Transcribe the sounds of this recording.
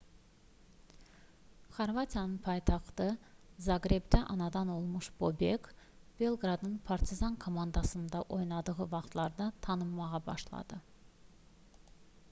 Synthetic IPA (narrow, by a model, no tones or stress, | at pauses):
χɑɾvat̪ʰijɑnɯnpʰɑjt̪ʰɑχt̪ɯzɑɡɾebd̪æʔɑnɑd̪ɑnolˠmuʃb̥o̞bek | b̥e̞lˠɡɾɑd̪nɯnpʰɑɾt̪ʰizɑnkʰomɑnd̪ɑsɯnd̪ɑʔo̞jnɑd̪ɯʁɯvɑχt̪ʰlˠɑɾd̪ɑt̪ʰɑnɯmːɑʁɑbɑ̰ʃlˠɑ̰d̪̥ɯ